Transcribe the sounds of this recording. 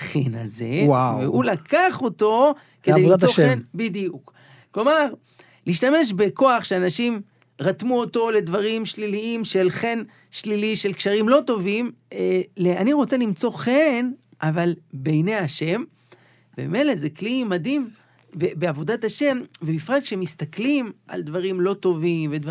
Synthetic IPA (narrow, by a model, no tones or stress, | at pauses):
χena̰zewaveulakʰaχo̞to̞ | kedejioenbidijuk | klo̞maʁ | liːʃtame̞ʃ̬beko̞aχʃeanaʃim | ʁatmuoto̞le̞d̪vaʁimʃliliimʃe̞lχe̞n | ʃliliʃelkʃaʁimlo̞t̪o̞vimleaniʁo̞t͡se̞limt͡so̞χen | ʔavalbejnejaʃe̞m | bḛmḛme̞jlezeklimad̪im | bebeavo̞dat̪aʃe̞mvemifʁaɡkʃeemist̪aklimʔa̰ld̪vaʁimlo̞t̪o̞vimvedv